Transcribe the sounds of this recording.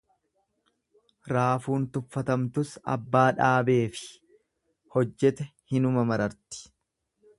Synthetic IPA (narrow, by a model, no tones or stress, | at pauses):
ɾaːfuːnt̪ʊfːɐt̪ɐmt̪ʊsɐ̰bːaːᶑaːbe̞ːfɪ̥ | hɔd͡ʒːɛt̪ɛhɪnʊmɐmɐɾɐɾt̪ɪ̥